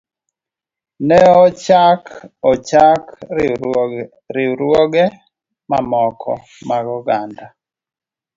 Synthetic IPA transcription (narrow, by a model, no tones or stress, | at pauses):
nɛɔt͡ʃakɔt͡ʃak | ɾɪɾwoɡɛ | mamɔkʰɔ̰ | maɡɔɡanda